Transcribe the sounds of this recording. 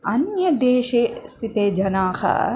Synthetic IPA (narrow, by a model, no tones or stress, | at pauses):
ɐnjɐd̪eːʃest̪ʰit̪eːd͡ʒɐnaːhɐ̰